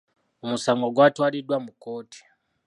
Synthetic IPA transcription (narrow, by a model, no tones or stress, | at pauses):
umusaŋɡoɡwatwalidwamukoːti̥